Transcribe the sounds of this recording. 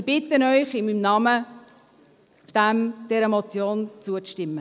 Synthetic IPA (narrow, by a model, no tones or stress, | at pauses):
b̥ɪt̪ənœʏχɪmimnɑmə | d̪̥æmd̥ɛɾəmɔt͡sjoːnt͡suət͡sʃtɪmːə